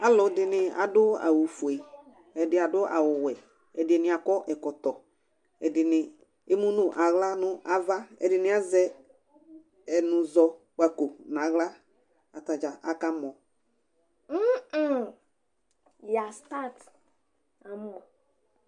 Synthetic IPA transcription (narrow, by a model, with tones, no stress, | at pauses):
a˨˦lʊ˨dɪ˨nɪ˨a̰˨dʊ˦a̰˨wu˨fu˨e˨ | ɛ˨dɪ˨˦a˨dʊ˦ʔa̰˨wʊ˨wɛ˨ | ɛ˨dɪ˨e˨nɪ˨a˨kɔ˦ʔɛ˨kɔ˨t̪ɔ˨ | ɛ˨dɪ˨nɪ˨ | e˦mu˦nʊ˦ʔa˨ɣla˦nʊ˦a˨va˦ɛ̰˨dɪ˨nɪ̃˨˦a˦zɛ˦ | ɛ˨nʊ̃˨zɔ˨ | k͡pa˨ko˨n˨a˨˦ɣla˦ | a˨ta˨d͡ʒa˨ʔa˨ka˦mɔ˨˦˨ | ja˨sta˦t | a˨mɔ˨